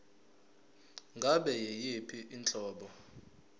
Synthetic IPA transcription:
ŋɡʱaɓɛjejipʰiʔint͡ɬʼɔːɓɔ

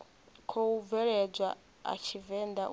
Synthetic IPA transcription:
kʰɔuvɛɺɛd͡zʷa | a̰t͡ʃʰivɛnd̪aʔ

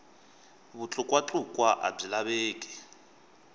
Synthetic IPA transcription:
βut͡ɬʰʼʊkʼwat͡ɬʼukʼwaʔa̰b͡ʐilaβeːkʼɛ̥

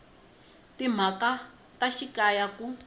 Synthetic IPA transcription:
tim̤aka | taʃikajaku

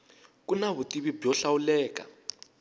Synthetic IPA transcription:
kunaβutiβibjɔɬaulɛːka̰

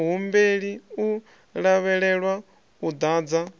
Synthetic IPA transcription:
ɦumbeɺiu | ɺaβɛɺɛɺwa | ud̪aːd͡za

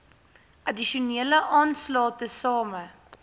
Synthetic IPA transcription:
ʔɐdiʃuniələʔɑːnslɑːtəsɑːmə

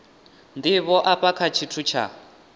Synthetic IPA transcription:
ndiβɔʔapakʰat͡ʃʰitʰut͡ʃʰa̰

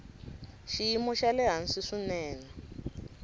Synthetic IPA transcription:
ʃijimɔʃalɛɦansiʂinɛːna

